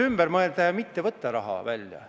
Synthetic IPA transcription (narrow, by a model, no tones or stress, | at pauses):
ymb̥ɛɾmɤelt̪ːæjɑmit̪ːevɤt̪ːɑɾɑɦɑ̰vælʲjɑ̰